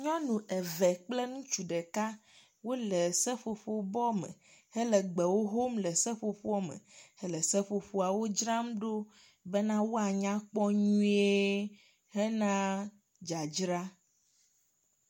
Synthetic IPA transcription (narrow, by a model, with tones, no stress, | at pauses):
ɲɔ̃˦nũ˨ʔɛ˨vɛ˨k͡plɛ˦nũ˦t͡ʃu˨ɖɛ˨ka˦ | wo˦lɛ˨sɛ˦ɸo˨ɸo˦bɔ˦mɛ̰̃˨hɛ˦lɛ˨ɡ͡bɛ˨wo˦ɦo˦mlɛ˨sɛ˦ɸo˨ɸo˦ɔ˦mɛ̰̃˨hɛ˦lɛ˨sɛ˦ɸo˨ɸo˦a˨wo˦d͡ʒɾã˦mɖo˦ | bɛ˦nã˦wo˦a˨ɲã˦k͡pɔ˦ɲũ˦e˦ | hɛ˦nã˦ | d͡ʒa˨d͡ʒɾa˦